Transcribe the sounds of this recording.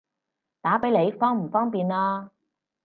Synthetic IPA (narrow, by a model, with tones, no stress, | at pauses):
t̪aː˨˥pe˨˥jle˨˧jfɔː˥ŋm̩˨˩fɔː˥ŋpiː˨naː˧